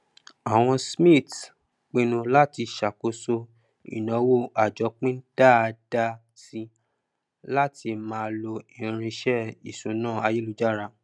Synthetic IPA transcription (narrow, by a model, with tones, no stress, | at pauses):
a˨w̃ɔ̃˧smĩ˦˨t | k͡pĩ˧nũ˧la˦ti˧ʃa˨ko˨˧so˧ | ḭ˨nɔ̃˨˦wo˦a˨d͡ʒɔ˨˦k͡pĩ˦n̩˦d̥a˦˨˧d̥a˧ | si˧ | la˦ti˧mãː˧˦˧lo˧ĩ˨˧ɾ̃ĩ˧ʃɛ˦i˨sũ˨˦nãː˦˨a˧je˦lu˧d͡ʒa˦˨ɾa˧